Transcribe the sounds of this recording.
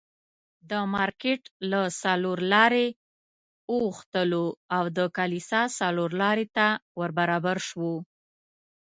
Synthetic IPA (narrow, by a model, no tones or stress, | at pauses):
d̪əmɑɾkeʈlasaloɾlɑɾe | uxt̪əloawd̪əkalisɑsaloɾlɑɾet̪awəɾbaɾɑbaɾʃwo